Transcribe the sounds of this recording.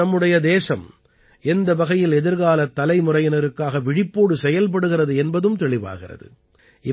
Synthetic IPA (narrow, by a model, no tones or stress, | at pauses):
ɐmːɯɽɐjɐd̪eːsɐm | ɛnd̪ɐbɐɣɐjɪlɛðɪɾɣaːlɐt̪ːɐlɐɪmʊrɐjɐnɐɾɯkːaːɣɐʋɪɽɪpːoːɽɯsɛjɐlp̬ɐɽɯɣɪrɐðɯɛnbɐðɯmt̪ɛɭɪʋa̰ːɣɪrɐ̰ðɯ̰ | ʔɪ